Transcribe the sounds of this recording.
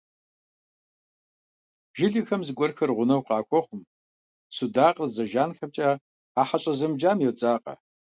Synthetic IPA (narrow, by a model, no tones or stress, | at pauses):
ʒɪɮixɐmzɨɡʷɔrxɐrʁʷʊnɐwqɑːkʷʰʼɔχʷʊm | sudaːqərzɐʒaːnxɐp̚t͡ʃʼa | aːħaɕʼɐzɐmd͡ʒaːmjɛwt͡sʼaːqʼɐ̰